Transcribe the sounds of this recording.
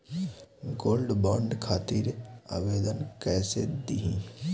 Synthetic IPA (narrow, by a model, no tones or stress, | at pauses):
ɡoːlɖbaːɳɖkʰaːt̪iɾa̰ːʋeːd̪ənkɛːsed̪iɦḭ̃ː